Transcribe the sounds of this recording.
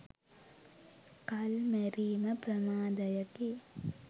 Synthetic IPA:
kɐlmɛɾiːməprɐmaːd̪ɐjɐki

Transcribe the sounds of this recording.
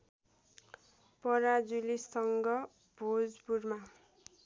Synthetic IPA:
pʌɾad͡zulisʌŋɡʌ | b̥ʱod͡zpurma

